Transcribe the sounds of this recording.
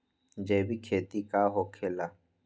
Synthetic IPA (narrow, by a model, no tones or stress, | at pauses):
d͡ʒeːbʱikʰeːt̪ikaːɦoːkʰela